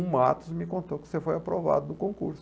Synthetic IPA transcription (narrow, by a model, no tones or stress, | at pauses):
ũmat̪ʊzmɪkõnt̪okɪ̥sefojapɾova̰d̪ʊd̪ʊkõkuɾsʊ̥